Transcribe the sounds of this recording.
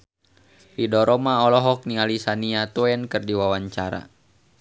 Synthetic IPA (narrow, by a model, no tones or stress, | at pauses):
fidɔɾɔmaɔlɔɦɔk̚nialisaniat̪ɔɛnkɨrdiwawaɲt͡ʃaɾa̰